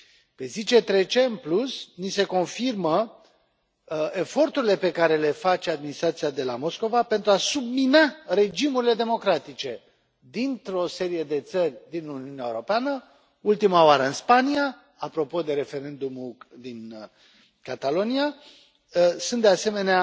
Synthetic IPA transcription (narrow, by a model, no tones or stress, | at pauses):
pe̞zit͡ʃe̞t̪ɾe̞t͡ʃe̞ɨnplusnise̞ko̞nfirmə | e̞fo̞rt̪uɾile̞pe̞kaɾe̞le̞fat͡ʃead̪minist̪ɾat̪siad̪e̞la̰mo̞sko̞vape̞nt̪ɾuasubminare̞d͡ʒimuɾile̞d̪e̞mo̞kɾat̪it͡ʃe̞ | d̪int̪ɾo̞se̞ɾije̞d̪e̞t̪sərʲd̪inuniuneaeuɾo̞peanə | ult̪imaoaɾəɨnspania | apɾo̞po̞d̪e̞ɾe̞fe̞ɾe̞nd̪umud̪in | kat̪alo̞nia | sunt̪d̪ease̞me̞nea